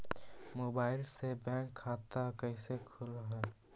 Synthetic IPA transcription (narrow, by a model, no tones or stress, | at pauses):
moːbaːɪlsebɛ̃ːkʰːaːt̪akɛɪsekʰʊlɦɛː